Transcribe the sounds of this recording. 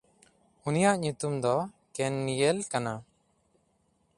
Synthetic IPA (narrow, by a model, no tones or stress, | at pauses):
unijaʔɲut̪umd̪ɔ | kɛnːijɛlkana